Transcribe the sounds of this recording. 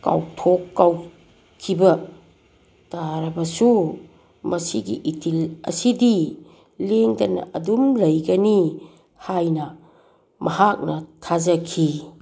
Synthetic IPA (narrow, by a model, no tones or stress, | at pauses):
ka̰wtʰokːaw | kʰibɐ | taɾɐbɐsu | mɐsiɡḭʔitʰilɐ̰sidi | leŋdɐnɐ̰ʔɐdumlɐjɡɐni | hajnɐ | mɐhak̚nɐtʰazɐkʰi